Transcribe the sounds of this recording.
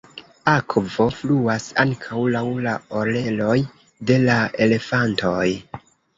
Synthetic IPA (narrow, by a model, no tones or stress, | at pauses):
akvo̞fluasaŋkʰawlawlaole̞lo̞j | de̞laʔe̞le̞fanto̞j